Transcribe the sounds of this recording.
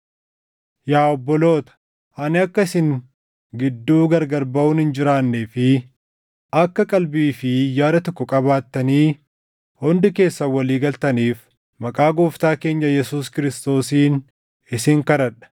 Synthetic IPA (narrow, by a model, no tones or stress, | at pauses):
jaːɔbːɔlo̞ːt̪ɐ̥ | ɐnɪɐkːɐɪsɪŋ | ɡɪd̪ːuːɡɐɾɡɐɾbɐʊːnhɪnd͡ʒɪɾaːnːeːfɪ | ɐkːɐkʼɐlbiːfɪjaːd̪ɐt̪ɔkːɔkʼɐβaːt̪ːɐniː | hɔnd̪ɪke̞ːsːɐwɐliːɡɐlt̪ɐniːf | mɐkʼaːɡoːft̪aːke̞ːɲːɐjɛsuːskɪɾɪst̪o̞ːsiːn | ɪsɪŋkɐɾɐᶑɐ̥